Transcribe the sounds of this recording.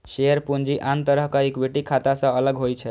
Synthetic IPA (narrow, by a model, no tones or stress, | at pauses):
ʃeəɾpund͡ʒiʔant̪əɾəɦkaekbeʈikʰat̪asə̃ələɡɦojt͡ʃʰə